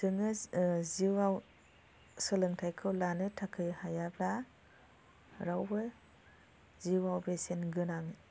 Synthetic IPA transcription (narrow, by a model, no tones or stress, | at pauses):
sʰɯŋɯziwaw | sɯlɯŋtʰajkʰɯwlanɯtʰakʰɯjhajabla | ɾawbɯ | ziwawbesenɡɯnaŋ